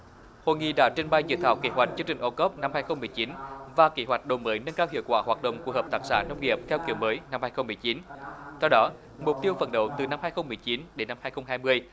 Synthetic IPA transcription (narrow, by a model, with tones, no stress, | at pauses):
ho̰˧˨jŋḭ˧˨ɗa̰ː˧˥t͡ɕe˧nɓa˧jzḭ˧˨t̪ʰaː˧˩wkḛ˧˦ɦwa˨˩jk̚t͡ɕɨ˧ŋt͡ɕï˨˩ŋ̟ʔo˧kɔ˦˥p̚na˧mhaː˧jxə˧wŋ͡mmɨ˨˩əjt͡ɕi˨˦nvaː˨˩ke˨˦hwa˨˩k̚ɗo˨˩məː˨˦jnə˧nkaː˧whḭ˧˨əwkwaː˧˩hwaː˨˩t̚ɗə̰˧˨wŋ͡mku˧˩əhəː˨˩p̚t̪aː˦˥k̚sa̰ː˧˩nə˧wŋ͡mŋḭ˨˩əp̚kaː˧wki˨˩əwməː˨˦jna˧mhaː˧jxə˧wŋ͡mmɨ˨˩əjt͡ɕi˨˦nt̪ʰɛ˧wɗɔ˨˦ | mʊ˨˩k͡p̚t̪i˧əwvə̰˧˩nɗə̰˧˨wt̪ɨ˨˩na˧mhaː˧jxə˧wŋ͡mmɨ˨˩əjt͡ɕi˨˦nɗe˨˦nːa˧mhaː˧jxə˧wŋ͡mhɦaː˧jmɨ˧əj